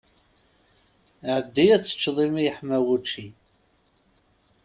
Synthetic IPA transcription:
ʕəd̪ːijæt͡sːə̥t͡ʃːðˤimijħmæwut͡ʃːi

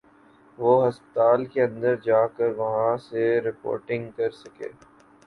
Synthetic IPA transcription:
ʋoɦɐspət̪aːlkeɐ̃nd̪əɾd͡ʒaːkəɾʋɐɦãseɾɪpo̰ːɾʈɪ̃ŋɡkɐɾsɐkḛː

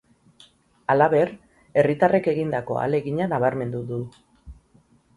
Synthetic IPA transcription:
alaβe̞r | e̞rit̪are̞ke̞ɣind̪ako̞̰a̰le̞ɣiɲanaβ̞aɾme̞nd̪uðu

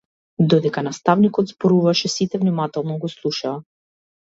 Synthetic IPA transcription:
d̪ɔd̪ɛkanast̪avnikɔd̪zbɔɾuvaʃɛsit̪ɛvnimat̪ɛlˠnɔɡɔslˠuʃaː

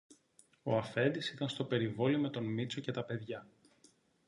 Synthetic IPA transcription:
o̞ɐfe̞nd̪isit̪ɐnst̪o̞pe̞ɾivo̞liome̞t̪o̞nmit͡so̞ce̞t̪ɐpe̞ðʝɐ

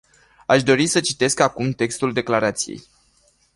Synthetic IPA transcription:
aʃd̪o̞ɾisət͡ʃit̪e̞skakumt̪e̞kst̪uld̪e̞klaɾat̪sijḛj

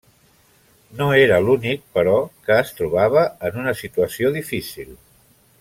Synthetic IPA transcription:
noeɾəlunik̚pəɾɔkəːst̪ɾuβaβ̞əənunəsit̪uəsioðifisilˠ

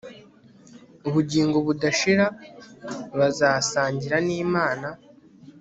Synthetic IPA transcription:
uβuɟiːŋɡoβudaʃiɾa | βazaːsaːɲɟiɾaniːmaːna

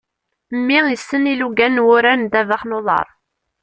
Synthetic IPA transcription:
mːiʁjəsːəniluɡænwʊɾænd̪ævəχnoðˤɑ̰ɾˤ

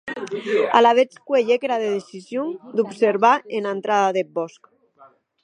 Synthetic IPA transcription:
a̰laβet͡skweʎekeɾaðeðesizjuŋd̪upseɾβaenant̪ɾaðaðebɔsk

